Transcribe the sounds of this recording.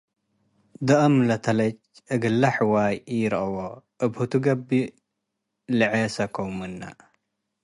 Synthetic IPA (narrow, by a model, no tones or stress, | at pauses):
d̪ɐʔɐmlɐt̪ʰɐlɐt͡ʃ | ʔɨɡɨlːaħwajjɪɾʔɐwoʔɨbhut̪ʰuɡɐbːi | lɨʕesɐkʰowmɨnːa̰